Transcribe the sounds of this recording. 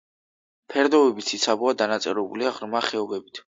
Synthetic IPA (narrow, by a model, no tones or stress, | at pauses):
pʰɛɾd̪ɔvɛbit̪sʰit̪sʰabuad̪anat̪sʼɛɾɛbuliaʁɾmaχɛɔbɛbit̪ʰ